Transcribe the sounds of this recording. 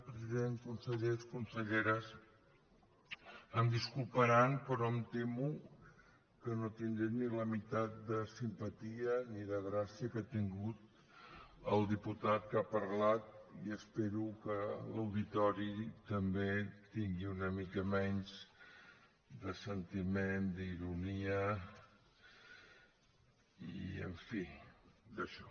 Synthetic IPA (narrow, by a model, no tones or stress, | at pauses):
pɾəziðenkunsəʎeskunsəʎeɾəs | əmd̪iskulˠpəɾanpɾɔəmt̪emu | kənot̪ind̪ɾeniləmit̪at̪̚d̪əsimpət̪iəniðəɣɾasiəkat̪iŋɡut̪ | əlˠd̪iput̪at̪̚kapəɾlat̪̚iəspeɾukələwðit̪ɔɾit̪əmbet̪iŋɡiunəmikəmɛnz | d̪əsənt̪imend̪iɾuniə | ḭə̰ɱfid̪əʃɔ̥